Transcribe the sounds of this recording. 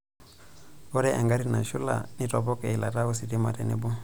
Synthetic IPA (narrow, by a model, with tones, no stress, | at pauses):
o˦ɾɛ˦ʔe˨ŋɡa˦ɾi˦na̰˨ʃu˦la̰˨ni˦to˨bo˦ke˨i˨la˨ta˦u˦si˨ti˦ma˨tḛ˨ne˦bu˦